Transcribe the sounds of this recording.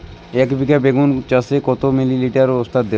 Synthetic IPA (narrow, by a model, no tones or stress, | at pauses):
ekbʱikabeɡunt͡ʃəsekot̪omililiʈəɾʊst̪at̪̚d̪e